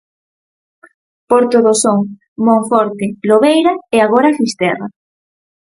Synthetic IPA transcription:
poɾt̪oðosoŋ | mõɱfoɾt̪eloβejɾaeaɣ̞oɾafist̪ɛra

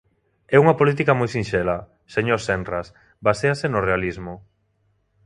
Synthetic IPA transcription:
ɛuŋapolit̪ikamojsinʃɛlɐ | seɲoɾsɛnras | baseasenorealizmo

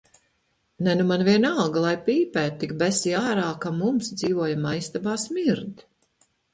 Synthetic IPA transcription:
nɛnumanvʲiɛnalˠɡlˠajpiːpæːt̪ːikbæsiaːɾaːkamumsd̪ziːvuɔjamaist̪abaːsmiɾd̪

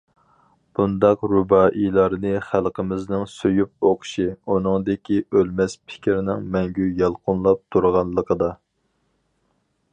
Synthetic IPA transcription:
b̥und̪ɑqɾubɑːʔilˠɑɾnɨχælˠqʰəmɪznɪŋsøjup̚oqʰʊ̥ʃiunɨŋd̪ɪkʲʰiʔølmɛspʰɪ̥kʲiɾɪnɪŋmɛŋɡʲyjɑlˠqʰʊnlˠɑp̚t̪ʰuɾʁɑnlˠːəqʰəd̪ɑ

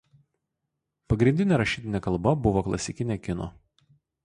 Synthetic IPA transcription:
pɐɡɾʲɪnʲd̪ʲɪnʲeːɾɐʃʲiːt̪ʲɪnʲeɛkɐlˠbɐbʊʋoːklˠɐ̰sʲɪkʲɪnʲekʲɪno̰

